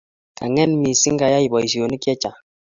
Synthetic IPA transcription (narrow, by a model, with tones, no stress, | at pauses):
ka˨ŋɛ˦nmi˨si˦ŋ˦ɡa˨ja˦i˨bɔ˨i˨si˨o˨ni˦kjɛ˦t͡ʃa˨